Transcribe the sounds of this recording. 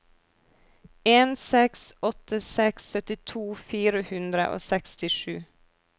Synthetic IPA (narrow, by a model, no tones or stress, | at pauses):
eːnsɛksɔt̪ʰəsɛksːœt̪ɪt̪ʰuːfiːɾəhʉnd̪ɾə̰ʔo̰ːsɛkst̪ɪʃʉː